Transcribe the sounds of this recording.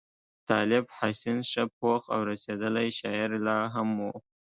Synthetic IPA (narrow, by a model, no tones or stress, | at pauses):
t̪ɑlɪbhɑsinʃəpoxa̰wɾased̪əlajʃɑɪɾlɑɦamwu